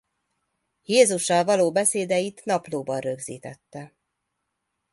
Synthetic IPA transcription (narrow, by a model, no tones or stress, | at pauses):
jeːzuʃːɒlvɒloːbɛseːd̪ɛjit̪nɒploːbɒnrø̞ɡzḭːt̪ɛt̪ːɛ